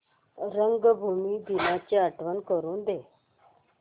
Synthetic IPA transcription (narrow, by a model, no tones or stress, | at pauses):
ɾəŋɡbʱumiːd̪inat͡ɕeəʈʰʋənkəɾuːnd̪e